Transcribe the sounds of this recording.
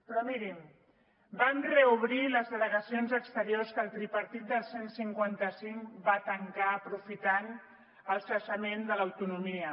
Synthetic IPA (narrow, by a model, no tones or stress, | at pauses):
pɾɔmiɾim | bamrəuβ̞ɾiləzðələɣəsionzəkst̪əɾioskəlˠt̪ɾipəɾt̪it̪̚d̪əlˠsensiŋkwant̪əsiŋbat̪əŋkaəpɾufit̪an | əlˠsəʃəmend̪ələwt̪unumiə